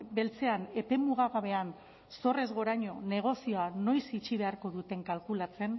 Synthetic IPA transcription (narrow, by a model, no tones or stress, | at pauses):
be̞lt͡se̞ane̞pe̞muɣ̞aɣaβ̞e̞an | so̞re̞zɣo̞ɾaɲo̞ne̞ɣ̞o̞sio̞ano̞jsit͡ʃiβ̞e̞aɾko̞ð̞ut̪e̞ŋkalkulat͡se̞n